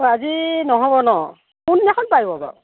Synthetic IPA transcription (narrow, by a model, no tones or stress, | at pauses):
oazinɔɦɔbɔnɔ | kunːakʰɔnpaibɔba̰